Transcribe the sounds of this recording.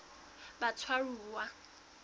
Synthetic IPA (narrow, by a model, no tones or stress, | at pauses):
bat͡sʰwaɺuːwa